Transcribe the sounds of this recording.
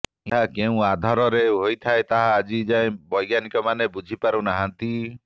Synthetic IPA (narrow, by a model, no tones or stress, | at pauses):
ɦakeũad̪ʱɔɾɔɾeɦojt̪ʰaet̪aɦãːd͡ʒid͡ʒaẽbɔjɡjanikɔmanebud͡ʒʱipaɾũnaɦant̪i